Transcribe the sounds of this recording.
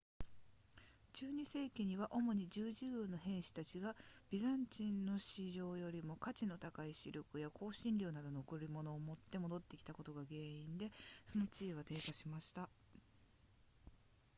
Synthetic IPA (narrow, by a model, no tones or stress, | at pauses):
t͡ɕɨːɲ̟ise̞ːkʲiɲ̟iβaʔo̞mo̞ɲ̟id͡ʑɨːʑɨːno̞ɦẽ̞ɰ̃ɕi̥t̪at͡ɕiɡab̥ʲizãɲt͡ɕĩnːo̞ɕiʑo̞ːjo̞ɾʲimo̞kat͡ɕino̞t̪akaiɕḭɾɯkɯ̟jakʰo̞ːɕĩnɾʲo̞ːnad̪o̞nokɯ̟ɾɾʲimo̞no̞ːmo̞t̪ːe̞mo̞d̪o̞t̪ːe̞kʲi̥t̪ako̞t̪o̞ɡaɡe̞ːĩnd̪e̞so̞no̞t͡ɕiːβ̞at̪e̞ːkaɕimaɕi̥t̪a